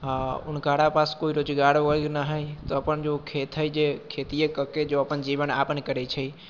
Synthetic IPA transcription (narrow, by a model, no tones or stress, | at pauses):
ʊ̰nkaɽapaskoːiɾoːd͡ʒɡaɾoəɡnəɦəjt̪oəpənd͡ʒokʰet̪ʰəjd͡ʒekʰet̪ijekəked͡ʒoəpənd͡ʒiʋəna̰ːpənkəɾɛt͡ʃʰəi